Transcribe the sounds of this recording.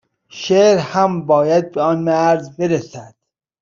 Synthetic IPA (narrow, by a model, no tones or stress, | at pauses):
ʃeːɾhæmbɒːjæd̪̚beɒːnmæɾzbeɾesæd̪̥